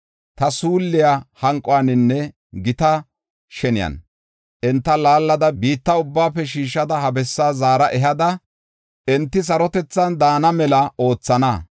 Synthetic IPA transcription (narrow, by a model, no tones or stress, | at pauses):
t̪ɐsuːlːɪjahɐŋkʼːɔwanɪnːɛ | ɡɪt̪ɐ | ʃɛnɪjɐ̰n | ʔɛnt̪ːɐlaːlːɐd̪ɐbiːt̪ːɐʊbːaːpːɛʃiːʃːɐd̪ɐhɐbɛsːaːzaːɾɐʔɛɦɐd̪ɐ | ʔɛnt̪ːɪs̬ɐɾɔt̪ɛt͡sːɐnd̪aːnɐmɛlɐo̞ːt͡sːɐnɐ